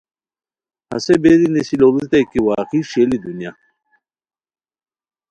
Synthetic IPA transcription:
hɐ̰sebeɾinesiloluzt̪ɐjkiwaːqiɕelid̪unja

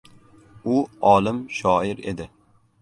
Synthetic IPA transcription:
ʊɒːlɪmʃɒːɪɾe̞̰d̪ɪ

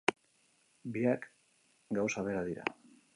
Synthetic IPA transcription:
biak | ɡawsaβe̞ɾaðiɾa̰

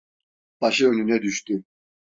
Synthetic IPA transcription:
b̥aʃɯønynɛd̪yʃt̪y

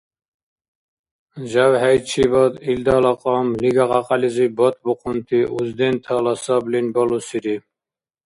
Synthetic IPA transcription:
zawɦæjt͡ʃʰibɔd̪ild̪alɑqʼɔmliɡaʁɑqʼɑlizibɔt̪̚buqʰunt̪ʰiʔuzd̪ɛnt̪ʰɑlɑsɑblinbɔlusiɾi

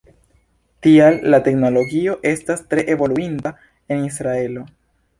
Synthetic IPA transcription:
tialːate̞kno̞lo̞ɡio̞ʔe̞stastɾe̞ʔe̞vo̞luinda | e̞nisɾae̞lo̞

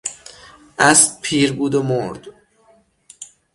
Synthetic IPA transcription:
ʔæspʰiːɾbuːd̪omoɾd̪

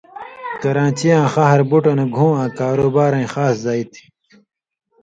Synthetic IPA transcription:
kɐɾãːt͡ɕijãːxɐɦɐɾbuʈɐneɡʱũːãːkaːɾoːbaːɾɐĩxaːszaːit̪ʰi̥

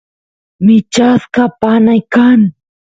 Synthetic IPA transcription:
mɪt͡ʃaskapanajkaŋ

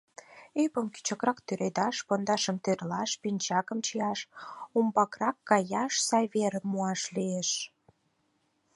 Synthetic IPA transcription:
epəmky̥t͡ɕə̆krɑkt̪yɾed̪ɑʃpond̪ɑʃəmt̪erlɑʃpinʲt͡ɕɑkəmt͡ɕijɑʃumbɑkrɑkːɑjɑʃsɑjβeɾəmːuɑʃlieʃ

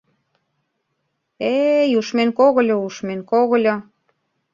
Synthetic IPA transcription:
ejuʃmenkoɣə̆lʲŏuʃmenkoɣəlʲo

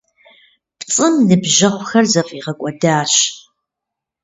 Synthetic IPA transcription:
pt͡sʼɨmnɨbʒɐχʷʊxɐrzɐfʼiːʁɐkʷʼɔdaːɕ

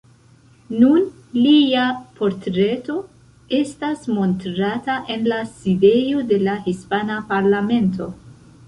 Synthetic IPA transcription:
nun | liapo̞ɾtɾe̞to̞ | e̞stasmo̞ntɾataʔe̞nlaside̞jo̞de̞lahispanapaɾlame̞nto̞

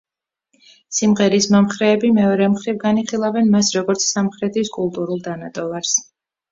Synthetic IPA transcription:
simʁɛɾismɔmχɾɛːbimɛɔɾɛmχɾivɡaniχilˠavɛnmasɾɔɡɔɾt̪sʰsamχɾɛt̪ʰiskʼulˠt̪ʼuɾulˠd̪anat̪ʼɔvaɾs

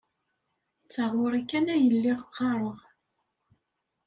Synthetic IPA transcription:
t͡sːaʁwʊɾˤikːænæjəlːiʁəqʰːɑɾˤəʁ

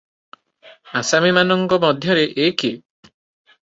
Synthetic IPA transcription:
asamimanɔŋkɔmɔd̪ʱjɔɾeʔeki

